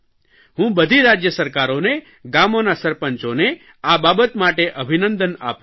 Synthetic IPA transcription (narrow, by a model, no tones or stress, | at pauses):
ɦũbəd̪ʱiɾad͡ʒjəsəɾkaɾone | ɡamonasəɾpənt͡ʃone | ababət̪maʈeʔəbʱinənd̪əna̰p